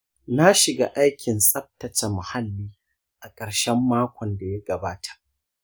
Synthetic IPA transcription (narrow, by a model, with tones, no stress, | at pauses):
na˦ʃɪ˨ɡa̰ː˦ʔa˦jkʲʰɪ˨nsʼɐ˦p̚tɐ˨t͡ʃɐ˨ma˨ha˦lːiː˦ | ʔa˨kʼɐ˨ɾʃɛ˦mːaː˦kʷɔ˨nda˨ja˦ɡɐ˨baː˦tʰḁ˨ʔ